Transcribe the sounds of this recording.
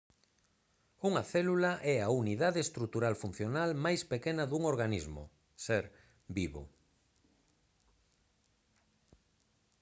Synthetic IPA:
uŋɐθɛlulaʔɛauniðaðest̪ɾut̪uɾalfun̟θjonalmajspekenɐðuŋoɾɣanizmʊ̰ | sɛɾ | biβo̰

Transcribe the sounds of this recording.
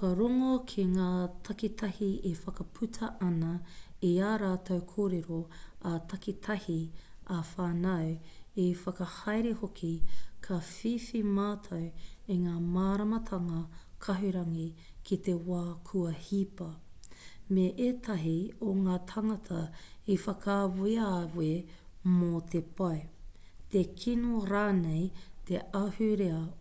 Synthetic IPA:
kɐɾoŋokʰeŋaːt̪ʰɐkit̪ʰɐhiefɐkɐpʰʉtʰɐʔɐnɐiaːɾaːt̪ʰɐwkʰoːɾeɾoat̪ʰɐkit̪ʰɐhiafaːnɐwefɐkɐhɐjɾehokʰikʰɐfiːfimaːtʰɐweŋaːmaːɾɐmɐt̪ʰɐŋɐkʰɐɦʉɾɐŋikʰit̪e̞waːkʰuɐhipɐ | meʔeːt̪ʰɐɦioŋaːt̪ʰɐŋɐt̪ʰɐifɐkawuiawwemot̪ʰepʰɐw | t̪ekʰinoɾaːnejt̪ʰeɐhʉɾeɐ

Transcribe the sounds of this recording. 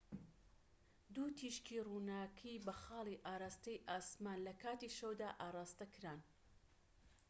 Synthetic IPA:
d̪uːt̪ʰiʃkʰiːruːnaːkʰibɐxɑːlˠiʔaːɾaːst̪ɐjʔaːsmaːnlɐkʰaːt̪iʃɐwd̪aːʔaːrˤaːst̪ɐkʰɨɾaːn

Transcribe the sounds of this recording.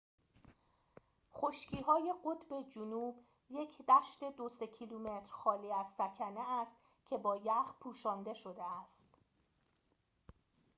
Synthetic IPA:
χoʃcʰiːɦɒːje̞ɢo̞t̪ʰbe̞d͡ʒunuːb | je̞cʰd̪æʃt̪e̞d̪osecʰilume̞t̪ʰɾxɒːliːæzsæcʰæne̞æst̪ | cʰe̞bɒːjæχpʰuːʃɒːnd̪e̞ʃo̞d̪e̞æst̪

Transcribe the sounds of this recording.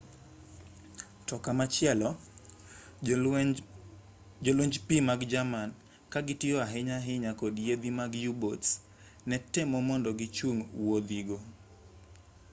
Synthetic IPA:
tɔkamat͡ʃɪɛlɔ | d͡ʒoloɲd͡ʒpimaɡd͡ʒaman | kaɡɪtɪɔaɦɪɲaɦɪɲakodjed̪imaɡjubots | nɛtɛmɔmɔndɔɡɪt͡ʃuŋwod̪iɡo

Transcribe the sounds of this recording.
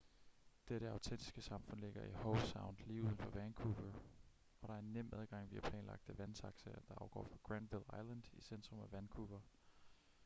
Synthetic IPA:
d̥eɾəɑ̈ʊt͡sʰen̰d̥isɡ̥əsɑ̈mfɔ̽n̰le̝ɡ̥ɐʔihoʊlsɑ̈ʊnd̥liːuːð̞ˠənfɒʋæːnkʰuʋə | ɒ̽ɾ̥ɑ̈æɐenːem̰æðˠɡ̥ɑ̈ŋ̰ʋiæpʰlɛ̰ːnlɑ̈ɡ̥̚d̥əʋænt͡sʰɑ̈ɡ̥səɐd̥ɑ̈ʔɑ̈ʊɡ̥ɒ̰ːfɑɡ̥ʁænd̥ʋilˠɑ̈ɪlænd̥isend̥ʁɔ̽mæʋænkʰuʋɐ

